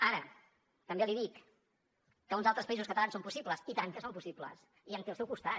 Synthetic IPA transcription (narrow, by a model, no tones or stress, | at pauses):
aɾə | t̪əmbeliðikː | əunzalˠt̪ɾəspəizuskət̪lansompusipləsit̪ank̪əsompusiplə̰s | iənt̪elˠsɛwkust̪a